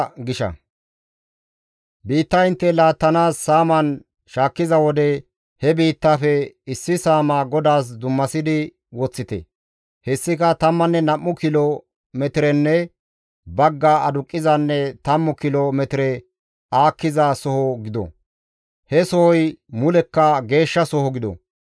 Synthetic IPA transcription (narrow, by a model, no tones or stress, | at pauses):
ɡɪʃɐ̰ | biːt̪ːɐɪnt̪ːɛlaːt̪ːɐnaːsːaːmɐn | ʃaːkːɪzɐwɔd̪ɛ | hɛbiːt̪ːafɛɪsːɪsaːmaːɡɔd̪aːs̬d̪ʊmːɐsɪd̪ɪ | wɔt͡sːɪt̪ɛ̰ | hɛsːɪkɐt̪ɐmːɐnːɛnɐmːʊkɪlɔ | mɛt̪ɪɾɛnːɛ | bɐɡːaɐd̪ʊkʼːɪzɐnːɛt̪ɐmːʊkɪlɔmɛt̪ɪɾɛ | aːkːɪzɐsɔhɔɡɪd̪ɔ̰ | hɛsɔhɔjmʊlɛkːɐɡe̞ːʃːɐsɔhɔɡɪd̪ɔ̰